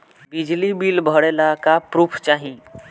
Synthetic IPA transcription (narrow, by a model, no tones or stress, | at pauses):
bɪd͡ʒlibiːlbʱəɽelakapɾuːpʰt͡ʃaːɦĩ